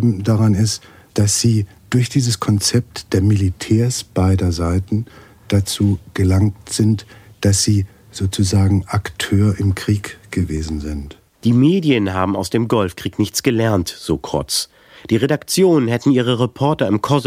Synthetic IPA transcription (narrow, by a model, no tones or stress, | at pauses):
bm̩daʁanɪst | d̥asz̥iː | d̥ʊɐçd̥iːzəskʰɔnt͡sɛp̚td̥eːɐmilitʰɛːɐsb̥aɪdɐzaɪtn̩ | d̥at͡suːɡ̥əlaŋtz̥ɪntd̥asz̥iː | z̥oːt͡suzaːɡŋ̩ʔaktʰøːɐʔɪmkʁ̥iːkɡ̥əveːzn̩zɪnt | d̥iːmeːdjənɦa̰ːbm̩a̰ʊsd̥eːmɡɔlfkʁ̥iːknɪçt͡sɡ̥əlɛɐntz̥oːkʁ̥ɔ̰t͡s | d̥iːʁedakt͡sjoːnənhɛtn̩iːʁ̞əʁepʰɔɐtɐɪmkʰɔz